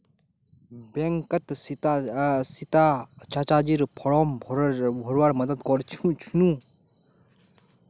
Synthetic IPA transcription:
bɛŋkət̪ | sit̪at͡ʃat͡ʃad͡ʒiɾpʰɔɽɔːmbʱbʱɔɾwaɾmɐd̪əd̪kɔɾt͡ʃʰt͡ʃʰunu

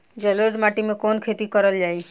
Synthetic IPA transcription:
d͡ʒələɾd̪maʈimẽkoːnkʰet̪ikəɾəld͡ʒaːi

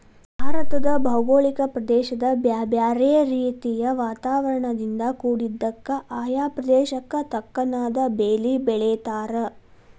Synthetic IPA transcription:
bʱaːɾɐt̪ɐd̪ɐbʱɐwɡoːɭikɐpɾɐd̪ɛːʃɐd̪ɐbjaːbjaːɾeɾiːt̪ijɐʋaːt̪aːʋɐɾɐɳɐd̪ind̪ɐkuːɽid̪ːɐkːɐʔaːjaːpɾɐd̪ɛːʃɐkːɐt̪ɐkːɐnaːd̪ɐbeːlibɛɭeːt̪aːɾɐ

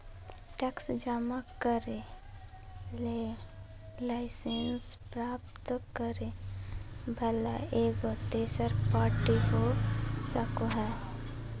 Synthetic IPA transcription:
ʈɛksd͡ʒaːmakəɾe | leː | laɪsenspɾaːpt̪kəɾe | bʱəla̰eːɡot̪eːsəɾpaːɾʈiɦosəkoɦɛ̃ː

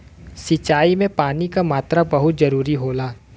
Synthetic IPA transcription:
sɪt͡ʃaːimẽpaːnikamaːt̪ɾabɐɦʊt̪zɐɾuːɾiɦoːlaː

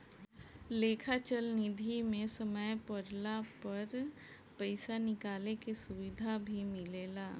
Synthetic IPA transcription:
leːkʰat͡ʃəlnɪd̪ʱimẽsəməjpəɾlapəɾ | pəɪsanɪkaːlekesʊʋɪd̪ʱabʱimɪleːlaː

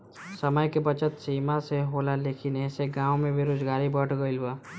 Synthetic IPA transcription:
səməjkebət͡ʃət̪siːmaseɦoːlaleːkɪnɛɦseɡãːõmẽbɪɾoːd͡ʒɡaːɾibəʈʰɡəiluwaː

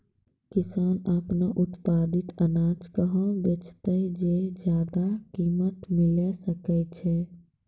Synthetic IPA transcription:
kisanəpnaʔut̪pad̪it̪ənad͡ʒkəɦə̃bet͡ʃt̪əd͡ʒed͡ʒjad̪akimət̪milɛsəkɛt͡ʃʰɛ

